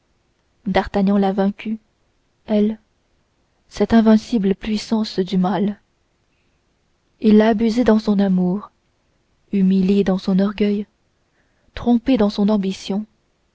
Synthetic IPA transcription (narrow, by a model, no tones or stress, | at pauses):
d̪aʁt̪aɲɑ̃lavɛ̃kʲy | ɛl | sɛt̪ɛ̃vɛ̃sibləpɥisɑ̃sd̪ymal | ilːaːbyzed̪ɑ̃sɔ̃namuːʁ | ymiljed̪ɑ̃sɔ̃nɔʁɡʲœj | t̪χɔ̃ped̪ɑ̃sɔ̃nɑ̃bisjɔ̃